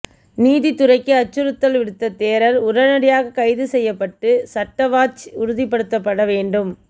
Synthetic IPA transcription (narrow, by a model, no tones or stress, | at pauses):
niːðit̪ʊɾɐɪkːɯɐt͡ʃːɯɾɯt̪ːɐlʋɪɽɯt̪ːɐt̪eːɾɐɾʊɾɐnɐɽɪjaːɣɐkɐɪðɯsɛjːɐpːɐʈːɯsɐʈːɐʋaːt͡ʃʊɾʊðip̬ːɐɽɯt̪ːɐpːɐɽɐʋeːɳɖɯm